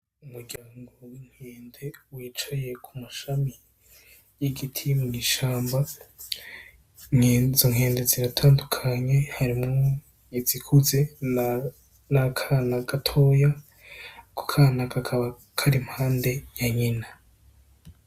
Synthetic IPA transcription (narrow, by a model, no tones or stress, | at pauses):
umuɾɟaːŋɡoŋ̥heːnde̞wiːt͡ʃaje̞kʰumaʃami | jiɡitʰimuŋiʃaːmba | ŋezoŋ̥eːnde̞ziɾatʰaːndukʰaɲe̞haɾimŋo | izikʰuze̞ | nakʰanaɡatʰo̞ːja | kʰo̥kʰaːnakakʰaβa | kʰaɾimhaːnde̞jaɲina